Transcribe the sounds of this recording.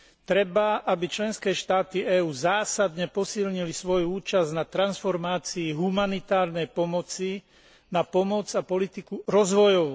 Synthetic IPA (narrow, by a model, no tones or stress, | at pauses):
t̪ɾɛbaʔabit͡ʃlɛnskɛːʃt̪aːt̪iɛːuːzaːsad̪ɲɛpɔsilɲilisʋɔjuuːt͡ʃaznat̪ɾansfɔɾmaːt͡siːɦumanit̪aːɾnɛjpɔmɔt͡si | napɔmɔd͡zapɔlit̪ikuɾɔzʋɔjɔʋu